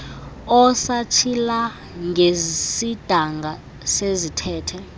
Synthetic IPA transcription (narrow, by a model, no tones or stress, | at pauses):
ɔsat͡ʃʰila | ŋesid̥ʱaŋɡa | sezitʰɛːtʰɛ